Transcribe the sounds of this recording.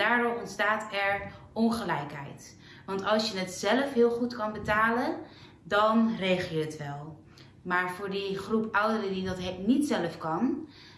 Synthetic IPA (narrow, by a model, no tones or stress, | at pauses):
daːrɔmɔntstaːtɛɹ | ɔnχəlɛjkɦɛ̰jt | ʋɑntɑlˠsjənətzɛləfɦɪːlˠχutkɑnbətaːlə | dɑnrejχəlˠjəɦətʋɛlˠ | maːɹvʊːɹdiχrupʌwdərədidɑtɦnitsɛləfkɑn